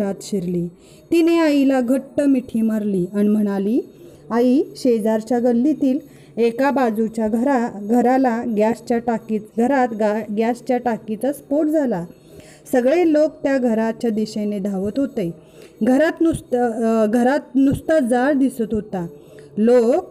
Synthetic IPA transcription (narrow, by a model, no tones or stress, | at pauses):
at̪ɕiɾli | t̪ineailaɡʱəʈːəmiʈʰimaɾliːanim̤əɽ̃ali | aiɕed͡zaɾt͡ɕjaɡəlːit̪iːl | ekabad͡zut͡ɕjaɡʱəɾaɡʱəɾalaɡjast͡ɕjaʈakiɡʱəɾat̪ɡɡjast͡ɕjaʈakit͡saspoʈd͡zʱala | səɡɭelok̚t̪jaɡʱəɾatt͡ɕjad̪iɕened̪ʱaʋət̪ɦot̪e | ɡʱəɾat̪nust̪ɡʱəɾat̪̚nust̪ad͡zaɽd̪isət̪ɦot̪a | lok̚